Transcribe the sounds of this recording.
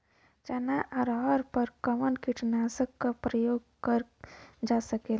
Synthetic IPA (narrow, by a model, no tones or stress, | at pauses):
t͡ʃɐnaʔɐɾɦɔɾpəɾkəmənkiʈʰnaːsəkːapɾəjoːɡ̚kəɾd͡ʒaːsəkeːl